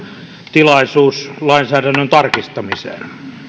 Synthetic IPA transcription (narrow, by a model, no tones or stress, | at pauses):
t̪ilɑisuːslɑinsæːdænːønt̪ɑrkist̪ɑmisḛːn